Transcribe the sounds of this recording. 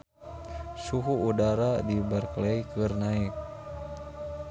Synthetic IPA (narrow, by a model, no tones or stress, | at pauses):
suɦuːdaɾadibərklejkɨrnaik̚